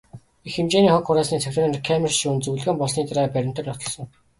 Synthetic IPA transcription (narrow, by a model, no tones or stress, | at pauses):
ixemt͡ɕeːniːχɔkχʊɾæːsniːt͡sʰækt̪ʰɔmenkʰæmerʃuːnt͡sujɮɣɘːmpɔɮsniːt̪ʰaɾæːpæɾʲɪ̆m̥t̪ə̆rnɔt̪ɞ̆ɮsɞ̆ŋ